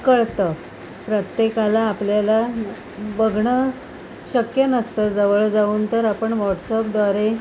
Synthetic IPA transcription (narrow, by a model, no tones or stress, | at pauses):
kəɭt̪ə | pɾət̪jekalaːpljala | bəɡʱɳə | ɕəkjənəst̪əd͡zəʋəɭd͡zauːnt̪əɾapəɳʋɔʈsəpd̪ʋaɾe